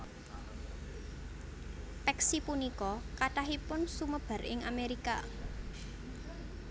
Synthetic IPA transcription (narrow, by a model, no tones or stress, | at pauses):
pɛksipunikɔkaʈaɦipʊnsuməb̥a̤ɾɪ̰ŋameɾika̰